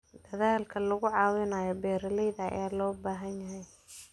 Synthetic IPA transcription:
d̪̥ɐðaːlkʰɐlɐɣʊʕɑːwɪnaːjɔbɛːɾɐlɛjðɐɐ̰jaːlɔːbaːɦɐnjɐɦɛj

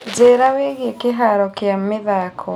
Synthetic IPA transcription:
zeːɾaweɣekeɦaɾɔkeamːeðaːkʰɔ

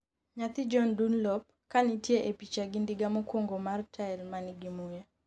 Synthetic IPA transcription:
ɲat̪ɪd͡ʒɔndunlɔp̚ | kanɪtjeʔepit͡ʃaɡindiɡamokwoŋɡomartʰaɛlmanɪɡimuja

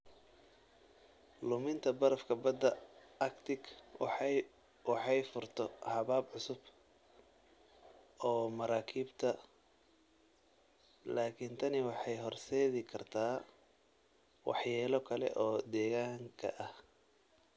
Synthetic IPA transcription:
lʊmɪnt̪ʰɐbɐɾɐfkʰɐbɐd̪ːɐɐkt̪ʰɪɡ | wɑħɑjfʊrt̪ʰɔhɐβaːbʕʊsʊb | ɔːmɐɾaːkʰiːbt̪ʰɐ | laːkʰɪnt̪ʰɐnɪwɑħɑjɦɔrsɛːðɪkʰɐrt̪ʰaː | wɑ̰ħjɛːlɔkʰɐlɛ̰ʔɔːd̪ɛːɣaːŋkʰɐ̰ʔɐh

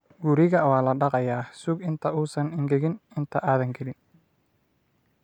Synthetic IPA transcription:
ɡʊɾɪɣɐwɑːlɐɖɑqɑjaːsʊɡɪnt̪ʰɐuːsɐnɪŋɡɛɣɪnɪnt̪ʰɐʔaːðɐŋɡɛlɪn

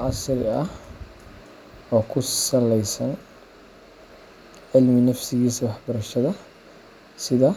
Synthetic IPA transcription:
ʕɑsɾɪɐh | ɔːkʰʊsɐlɛjsɐn | ʕɪlmɪnɐfsɪɣiːswɑħbɐɾɐʃɐðɐ | sɪðɐ

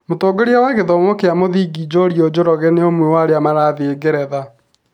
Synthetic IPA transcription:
motoːɡoɾjawaɣeðɔmokeamoðiːɡid͡ʑɔɾiɔd͡ʑoɾɔɣɛneomwɛwaɾeamaɾaðeːɡeɾɛða

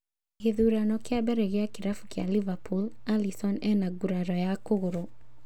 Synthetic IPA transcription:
ɣeðuɾanɔkɪabɛɾɛɣeakɪɾafu̥kja̰livapʰulalisɔnɛnaɡuɾaɾɔjakoɣoɾo

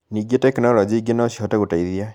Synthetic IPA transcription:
niɡetɛknɔlɔd͡ʒiɡenɔsiɦɔtaɡutaiðia

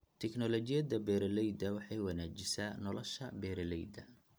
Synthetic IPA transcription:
t̪ʰɛknɔlɔt͡ʃɪjɐd̪ɐbɛːɾɐlɛjd̪ɐwɑħɑjwɑnaːt͡ʃɪsaːnɔlɔʃɐ̰bɛːɾɐlɛjd̪ɐ

